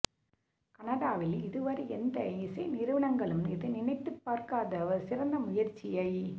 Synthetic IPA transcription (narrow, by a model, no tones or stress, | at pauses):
kɐnɐðaːʋɪlɪðɯʋɐɾɐɛnd̪ɐɪsɐɪnɪɾɯʋɐɳɐŋɡɐɭɯmnɪðɯnɪnɐɪt̪ːɯpːaːɾkaːðɐsɪɾɐnd̪ɐmʊjɐɾt͡ʃːɪjɐɪ